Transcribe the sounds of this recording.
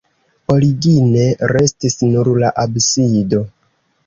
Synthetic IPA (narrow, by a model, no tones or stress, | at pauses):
o̞ɾiɡine̞ɾe̞stisnuɾlaʔabsido̞